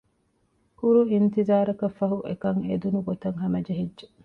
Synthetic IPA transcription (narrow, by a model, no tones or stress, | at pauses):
kuɾuint̪izaːɾɐkɐfːɐɦuʔḛkɐŋed̪unuɡot̪ɐŋɦɐmɐd͡ʒeɦedʒe